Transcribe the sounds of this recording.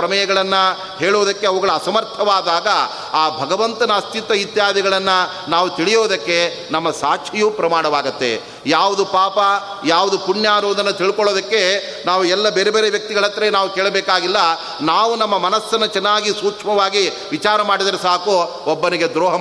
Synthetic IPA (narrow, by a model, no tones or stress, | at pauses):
ɾɐmɐjɐɡɐɭɐnːɐ | ɦeːɭuʋːd̪ɐkːeɐʋuɡɐɭuɐsɐmɐɾt̪ʰːɐʋaːd̪aːɡɐ | aːbʱɐɡɐʋɐnt̪ɐnɐːst̪ʰit̪ɐit̪jaːd̪iɡɐɭɐnːɐ | naːʋut̪iɭijoːd̪ɐkːe̞ | nɐmːɐsaːkʂijuːpɾɐmaːɽɐʋaːɡɐt̪ːḛ | jaːʋud̪upaːpɐ | jaːʋud̪upunjaːɾoːd̪ɐnːɐt̪iɭikɔɭoːd̪ɐkːe̞ | naːʋuɛlːɐbeːɾebeːɾeʋjɐk̚t̪iɡɐɭɐt̪ːɾenaːʋukeːɭɐbɛːkaːɡilːɐ | naːʋunɐmːɐmɐnɐsːɐnːɐt͡ʃɛnːaːɡisuːkʂmɐʋaːɡi | ʋit͡ʃaːɾɐmaːɽid̪ɐɾesaːku | obːɐniɡe̞d̪ɾɔːɦɐ